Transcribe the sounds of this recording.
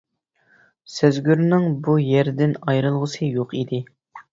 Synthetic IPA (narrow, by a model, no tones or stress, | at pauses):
sæzɡʲyɾnɪŋbujɛɾd̪ɪnɑjɾɨlˠʁəsɨjoqid̪ɪ